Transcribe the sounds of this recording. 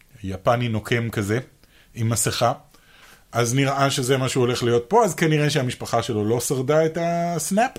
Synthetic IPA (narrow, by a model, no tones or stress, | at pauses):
japanino̞kʰe̞mkaze̞ | imaseχa | ʔazniʁʔaʃe̞zemaʃuo̞le̞χlijo̞t̪̚po̞azkaniʁeʃeamiʃpaχaʃe̞lo̞lo̞saʁd̪aetasnap